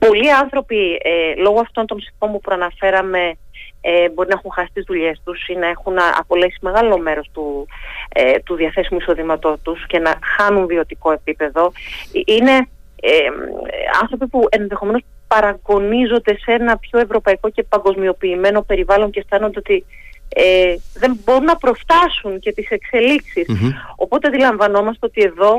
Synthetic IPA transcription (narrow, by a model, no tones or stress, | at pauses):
po̞liɐnθɾo̞pilo̞ɣoɐft̪o̞nt̪o̞msiko̞npupɾoɐnɐfe̞ɾɐme̞ | ebo̞ɾinɐexunxɐsi̥t̪izðuʎe̞st̪usinɐexunɐɐ̰po̞leksime̞ɣɐlo̞me̞ɾo̞st̪u | t̪uðiɐθe̞simuiso̞ðimɐt̪o̞t̪usce̞nɐxɐnunðio̞t̪iko̞e̞pipe̞ðo̞ʔine̞ | e | ɐ̰nθɾo̞pipue̞nðexome̞nos | pɐɾɐɡo̞nizo̞nd̪e̞se̞nɐpço̞e̞vɾo̞pɐiko̞ce̞pɐŋɡo̞zmio̞piːme̞no̞pe̞ɾivɐlo̞ɲceft̪ɐnond̪e̞ot̪i | ðe̞mbo̞ɾunːɐpɾo̞ft̪ɐsunce̞t̪ise̞kse̞liksiso̞po̞t̪eðilɐɱvɐno̞mɐst̪eo̞t̪ie̞ðo̞